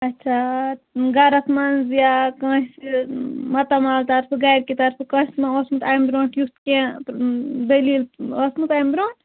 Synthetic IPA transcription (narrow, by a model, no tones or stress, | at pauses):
ɐtːt͡ʃʰa | ɡɐɾɐsmɐnzjakɐ̃ːɦisimɐt̪ɐmaːlt̪ɐɾpʰɨɡajɾkit̪ɐɾpʰɨkɐ̃ːɦʲismãosmut̪ajmbɾõːɳʈjust̪kẽ | d̪ɐlilosmut̪ajmbɾõːʈʈ